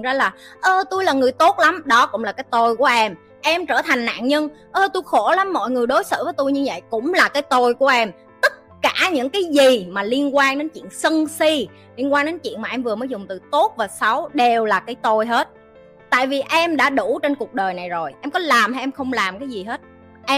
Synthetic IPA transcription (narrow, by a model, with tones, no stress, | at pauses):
zaː˧laː˨˩ʔəː˧t̪u˧jlaː˨˩ŋɨ˨˩əjt̪o˦˥t̚la˨˦mɗɔ˨˦kʊ̰˧˥ŋ͡mlaː˨˩kaː˨˦jt̪o˧jku˧˩əʔɛ˧m | ʔɛ˧mt͡ɕəː˧˩t̪ʰa˨˩jŋ̟na̰ː˧˨nɲə˧n | ʔəː˧t̪u˧jxo˧˩la˨˦mːɔ̰˧˨jŋɨ˨˩əjɗo˨˦jsə̰ɨ̰ː˧˥vəː˨˦t̪u˧jɲɨ˧və̰˧˨jkʊ̰˧˥ŋ͡mlaː˨˩kaː˨˦jt̪o˧jku˧˩əʔɛ˧m | t̪ə˦˥t̚kaː˧˩ɲɨ̰˧˥ŋkaː˨˦jzi˨˩maː˨˩li˧ənkwaː˧ŋɗe˨˦nt͡ɕḭ˧˨əŋsə˧nsi˧ | li˧ənkwaː˧ŋɗe˨˦nt͡ɕḭ˧˨ənmaː˨˩ʔɛ˧mvɨ˨˩əmːəː˨˦jzʊ˨˩ŋ͡mt̪ɨ˨˩t̪o˦˥t̚vaː˨˩sa˨˦wɗe˨˩wlaː˨˩kaː˨˦jt̪o˧jɦe˦˥t̚ | t̪a̰ː˧˨jvi˨˩ʔɛ˧mɗa̰ː˧˥ɗu˧˩t͡ɕe˧nku˨˩ək̚ɗəː˨˩jna˨˩jzo˨˩jʔɛ˧mkɔ˨˦laː˨˩mhɛ˧ʔɛ˧mxə˧wŋ͡mlaː˨˩mkaː˨˦jzi˨˩ɦe˦˥t̚ | ʔɛ˧